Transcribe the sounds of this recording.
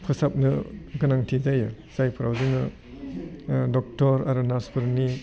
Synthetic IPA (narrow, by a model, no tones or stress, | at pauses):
pʰɯsap̚nɯɡɯnaŋtʰizajɯ | z̥ajpʰɾʔawziŋɯ | dɔk̚tɔɾaɾunaspʰɯɾni